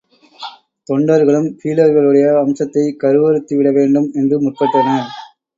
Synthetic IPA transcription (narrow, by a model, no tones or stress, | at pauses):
t̪ɔɳɖɐɾɣɐɭɯmfiːlɐɾɣɐɭɯɽɐjɐɐmsɐt̪ːɐɪkɐɾɯʋɐɾɯt̪ːɯʋɪɽɐʋeːɳɖɯmɛndrɯmʊʈpɐʈːɐnɐ